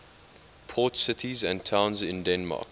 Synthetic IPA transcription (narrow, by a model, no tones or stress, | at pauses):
pʰɔːˑtsɪtʰizə̃ntʰãʊ̃nzɪ̃ndɛ̃nmɑ̰ːk